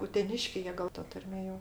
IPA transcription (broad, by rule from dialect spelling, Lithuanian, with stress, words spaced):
ʊtʲɛˈnʲɪʃʲkʲɛɪ ˈjiɛ ˈɡɐlˠ tɐ ˈtɐrʲmʲeː joː